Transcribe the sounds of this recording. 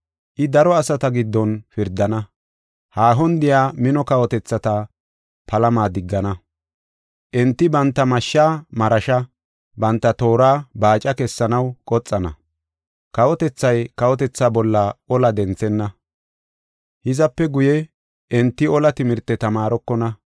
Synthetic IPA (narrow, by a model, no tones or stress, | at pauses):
ʔɪd̪ɐɾɔɐsɐt̪ɐɡɪd̪ːɔnfɪɾd̪ːɐnɐ | haːɦɔnd̪ɪjaːmɪnɔkɐwɔt̪ɛt͡sːɐt̪ɐ | pɐlɐmaːd̪ɪɡːɐnɐ | ʔɛnt̪ːɪbɐnt̪ːɐmɐʃːaːmɐɾɐʃɐ | bɐnt̪ːɐt̪o̞ːɾaːbaːt͡ʃʼɐkɛsːɐnɐwkʼɔt͡sʼːɐnɐ̰ | kɐwɔt̪ɛt͡sːɐjkɐwɔt̪ɛt͡sːaːbɔlːɐɔlɐd̪ɛnt͡sɛnːɐ | hɪzɐpːɛɡʊjɛ | ʔɛnt̪ːɪɔlɐt̪ɪmɪɾt̪ːɛt̪ɐmaːɾɔkːɔnɐ